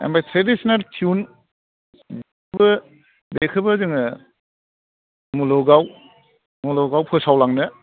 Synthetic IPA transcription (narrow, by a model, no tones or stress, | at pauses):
ḛmbajtʰɾedisɔnaltʰiun | bekʰbɯ | bekʰɯbɯzɯŋɯ | mulɔɡaw | mulɔɡawpʰɯsawlaŋnɯ